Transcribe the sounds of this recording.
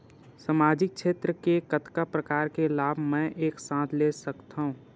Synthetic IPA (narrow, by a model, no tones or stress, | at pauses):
səmaːd͡ʒɪk̚ʃʰeːt̪ɾəkekət̪kapɾəkaːɾkelaːbʱmɛ̃ʔeːksãːt̪ʰlesəkt̪aɦũː